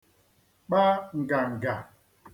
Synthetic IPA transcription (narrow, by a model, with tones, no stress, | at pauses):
ɓa˦ŋ̩˨ɡa˨ŋ̩˨ɡa˨